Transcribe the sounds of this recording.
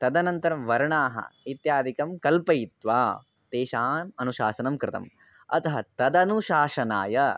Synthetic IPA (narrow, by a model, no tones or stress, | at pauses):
t̪ɐd̪ɐnɐnt̪ɐɾɐmʋɐɾɳaːɦɐ̰it̪jaːd̪ʱikɐmkɐlpɐjit̪ʋaː | t̪eːʃaːnɐnuʃaːsɐnɐmkɾɪt̪ɐ̰m | ɐ̰t̪ɐɦɐt̪ɐd̪ɐnuʃaːʃɐna̰ːjɐ